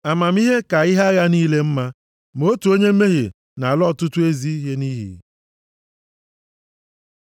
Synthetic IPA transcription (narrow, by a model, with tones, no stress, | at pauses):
a˨ma˨m̩˦i˦ɦe˦ka˨i˦ɦa˦ɣa˦niː˦le˦m̩˦ma˦ | m˨o˦tu˨o˦ɲe˦m̩˦e˦ɦḭ˨ | na˨lɔ˦˨tʊ˦tʊ˦e˦zi˦i˦ɦe˦ni˦ɦḭ˨